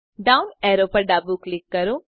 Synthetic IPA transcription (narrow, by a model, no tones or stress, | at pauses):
ɖaːʊnɛːɾoːpɐɾɖaːbuklɪkːɐɾoː